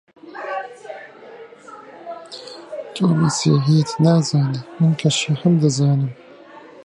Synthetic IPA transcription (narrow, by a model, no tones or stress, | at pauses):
t͡ʃʼoːmisḛːɦijɛt̪ʰnaːzaːnɨmɨnkʰɐʃaħɨmd̪ɐzaːnɨm